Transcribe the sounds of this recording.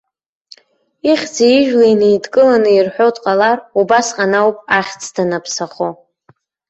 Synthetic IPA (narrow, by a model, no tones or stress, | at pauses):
iχʲd͡zaiʒᶣlainejdkʼɨlanɨirħʷᶣotʼqʼalarubasqʼanawpʼaχʲt͡sʰʼdanapʰsaχo